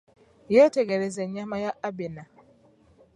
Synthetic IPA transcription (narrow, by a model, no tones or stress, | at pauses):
jeteɡeɾezeɲamajaabena